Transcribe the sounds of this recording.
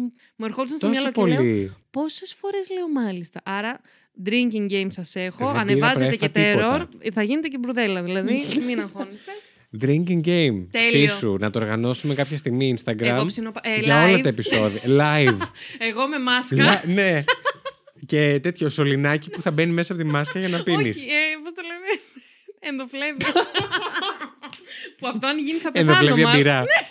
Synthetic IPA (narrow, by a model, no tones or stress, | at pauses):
mueɾxolisɐnst̪ooɐsloopolipo̞se̞sfo̞ɾe̞zle̞o̞mɐlist̪ɐʔɐɾɐ | d̪ɾiɲciŋɟejmsɐse̞xo̞ɐɐneɾvɐzɾeet̪efet̪ieɾoɾθɐʝinet̪ecebɾuðe̞lɐðilɐðiminɐŋxonist̪e | d̪ɾiɲciŋɟejmt̪esissunɐt̪ooɾɣɐno̞sume̞kɐpçɐst̪iɣmiːnst̪ɐɡɾɐomsinopɐelʝɐo̞lɐɐepiso̞ðiɐlɐjveɣo̞me̞mɐskɐlne̞ | ce̞t̪e̞t̪çoso̞linɐcipuθɐbe̞nimesɐpo̞t̪imɐskɐʝɐnɐpinispost̪olene | end̪oflevi | puɐft̪oɐnʝiniθɐpend̪ofleviɐbiɾɐ